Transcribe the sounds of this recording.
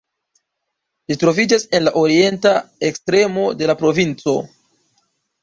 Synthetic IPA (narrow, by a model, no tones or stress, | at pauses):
litɾo̞vid͡ʒase̞nlaʔo̞ɾie̞ntae̞kstɾe̞mo̞de̞lapɾo̞vint͡so̞̰